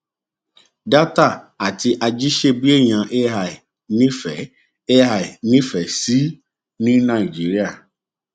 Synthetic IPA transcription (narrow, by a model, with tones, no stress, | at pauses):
da˦ta˦˨ | a˨ti˧ʔa˧d͡ʒi˦ʃe˧bi˦e˦˨j̃ã˧ʔe˦ɦa˨ | nĩ˦fɛ˨ | e˦ɦa˨nĩ˦fɛ˨si˨˦ | nĩ˦nã˦˨i˨d͡ʒi˨˦ɾi˦a˦˨